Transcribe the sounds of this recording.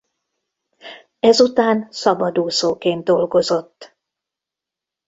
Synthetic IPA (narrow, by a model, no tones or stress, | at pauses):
ɛzut̪aːnsɒbɒd̪uːsoːkeːn̚d̪o̞lɡo̞zo̞t̪ː